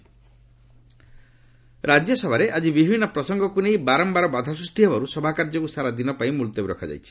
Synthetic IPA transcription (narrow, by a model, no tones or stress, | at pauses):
ɾad͡ʒjɔsɔbʱaɾeʔad͡ʒibibʱinːɔpɾɔsɔŋɡɔkunejbaɾɔmbaɾɔbad̪ʱasust̪iɦɔbaɾusɔbʱakaɾd͡ʒɔkusaɾad̪inɔpaĩmult̪ɔbiɾɔ̰kʰad͡ʒa̰jt͡ʃʰi̥